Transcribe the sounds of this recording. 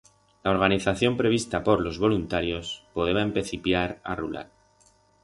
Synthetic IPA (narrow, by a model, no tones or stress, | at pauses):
lao̞ɾɣaniθaθjo̞mpɾe̞β̞ist̪apo̞ɾlo̞zβo̞lunt̪aɾjo̞spo̞ðeβaempeθipjaɾa̰rula̰l